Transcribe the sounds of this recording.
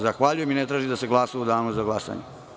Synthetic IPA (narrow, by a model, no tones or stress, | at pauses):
zaxʋaʎujeminet̪ɾaːʒid̪aseɡlˠasaud̪aːnuzaɡlˠasa̰ɲe